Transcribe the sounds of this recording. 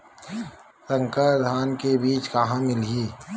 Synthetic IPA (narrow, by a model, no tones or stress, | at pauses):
sə̃ŋkəd̪ʱaːnkebiːt͡ʃkɐɦãmɪlɡiː